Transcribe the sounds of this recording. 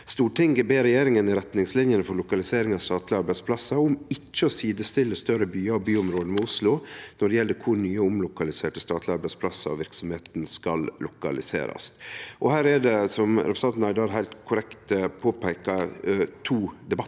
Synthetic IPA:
st̪uːʈʰɪŋɡɛbeːɾɛjeːɾɪŋənɪɾɛt̪nɪŋslɪnjənəfɔɾlʊkɑlɪseːɾɪŋɑʋst̪ɑːt̪lɪɑɾbæɪspʰlɑsːɑʊmɪt͡ʃːəɔsiːd̪əst̪ɪlːəst̪œɾəbyːɑɔbyːʊmɾoːd̪əmɛʊslʊnɔɖɛjɛlːəkʰʊɾɳyːəʊmlʊkɑlɪseːʈəst̪ɑːt̪ʰlɪɑɾbæɪspʰlɑsːɑɔ̰ʋɪɾksɔmheːt̪nskɑllʔʊkɑ̰lɪ̰sḛːɾɑ̰sʔɔhæːɾɛɖɛsɔmɾɛpɾəsnɑnnɑɪd̪ɑɾɦæɪlt̪kʰʊɾɛkt̪əpʰoːpæɪkɑt̪ʰuːd̪ɛbɑ

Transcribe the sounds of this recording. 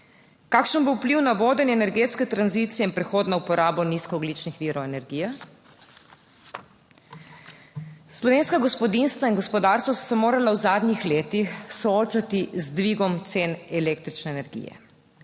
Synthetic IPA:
kaːkʃənbowpliwnaʋoːd̪ənjɛnɛɾɡeːt̪skɛt̪ɾanzit̪sijɛinpɾɛxoːd̪naupɔɾaːbɔniskɔːɡlit͡ʃnixʋiːɾɔɛnɛɾɡijɛ | slɔʋeːnskaɡɔspɔd̪inst̪ʋainɡɔspɔd̪aːɾst̪ʋassɛmoːɾalawzaːd̪nʲixleːt̪ixsɔoːt͡ʃat̪izd̪ʋiɡɔmt̪senɛleːk̚t̪ɾit͡ʃnɛːnɛɾɡḭːjɛ̰

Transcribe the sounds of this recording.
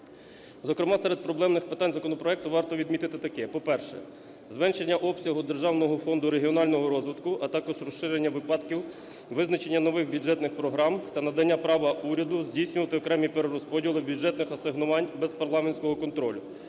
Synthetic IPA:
zɔkɾɪmɑsɛɾed̪̚pɾɔblˠɛmnɪxpɪt̪ɑnʲzɐkɔnɔpɾɔɛk̚t̪ʊʋɑrt̪ɔʋʲid̪mʲit̪ɪt̪ɪt̪ɐkɛpɔpɛrʃɛ̰ | zmɛnʃe̞nʲːɐʔɔpsʲɐɦʊd̪erʒɑwnɔɦɔfɔnd̪ʊɾe̞ɦiɔnɑlʲnɔɦɔɾɔzʋɪt̪kʊʔɐt̪ɑkɔʒrɔʃːɪɾenʲːɐʋɪpɑd̪kʲiw | ʋɪznɐt͡ʃe̞nʲːɐnɔʋɪxbʲudʒɛt̪nɪxpɾɔɦɾɑmt̪ɐnɐd̪ɐnʲːapɾɑʋɐʔuɾʲɐd̪ʊzʲdʲijsʲnʲʊʋɐt̪ɪɔkɾɛmʲipeɾeɾɔspɔdʲilˠɪbʲuʒɛt̪nɪxɐsɪɦnʊʋɑnʲbɛzpɐrlˠɑmenʲsʲkɔɦɔkɔnt̪ɾɔlʲʊ

